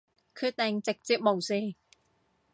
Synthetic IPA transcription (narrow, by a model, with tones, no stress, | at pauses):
kʰɯ˧˥t̪ɛː˨˧˩ŋt͡se˨˩k̚t͡si˧˥p̚mo˨˩wsiː˧˩